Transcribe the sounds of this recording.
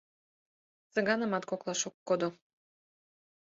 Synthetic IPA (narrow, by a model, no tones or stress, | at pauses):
t͡sə̆ɣɑnə̆mɑt̪koklˠɑʃokːod̪o